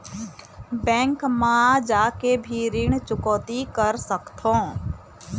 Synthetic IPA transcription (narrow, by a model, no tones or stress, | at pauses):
bɛ̃ːŋkmãd͡ʒaːkebʱiɾɪɳ̃t͡ʃʊkɔːt̪ikəɾsəkt̪ʰõː